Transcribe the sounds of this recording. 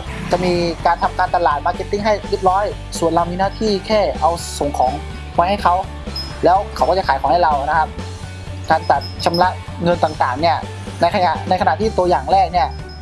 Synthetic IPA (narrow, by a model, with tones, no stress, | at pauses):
t͡ɕa˨˩miː˧kaː˧nt̪ʰa˧mkaː˧nt̪a˧laː˨˩t̪̚maː˧ke˧˥t̪ːi˥˩ŋɦa˥˩jli˦˥˩p̪̚ɾɔː˦˥˨j | su˨˩ənla˧wmiː˧naː˥˩t̪ʰiː˥˩kʰɛː˥˩ʔa˧wso˨˩˦ŋkʰɔː˩˦ŋʰ | ɔː˧jha˥˩jkʰa˦˥w | lɛː˦˥wkʰwkɔː˥˩t͡ɕa˨˩kʰːjʰkɔː˩˦ha˥˩jla˧wna˦˥kʰa˦˥p̚ | kaː˧nt͡ɕa˨˩t̪̚t͡ɕʰa˧mla˦˥ʔ | ŋɤ˧nt̪aː˨˩ŋt̪aː˨˩ŋni˥˩ɐ | na˧jkʰa˧ja˨˩na˧jkʰa˧naː˨˩t̪ʰiː˥˩t̪u˧əjaː˨˩ŋlɛː˥˩k̚ni˥˩ɐ